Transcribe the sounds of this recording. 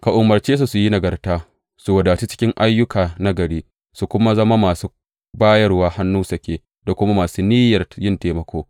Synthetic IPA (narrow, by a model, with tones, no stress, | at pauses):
ka˨ʔʊ˨mːɐ˨rt͡ʃeː˦s̬u˨su˨ji˦nɐ˨ɡɐ˨rtaː˦ | su˨wɐ˨daː˨t͡ʃi˦t͡ʃɪ̥˦kʲɪ˦ŋʔa˦jːʊ˦kʰaː˨na˦ɡɐ˨ɽiː˦ | su˨kʷʊ˦ma˦zɐ˦ma˦maː˨suː˦ | baː˦jɐ˦rwaː˦ha˦nːuː˦sɐ˨kʲeː˦˨ | da˨kʷʊ˦ma˦maː˨suː˦niː˦jɐ˨rjɪ˦nteː˨mɐ˦kʷoː˦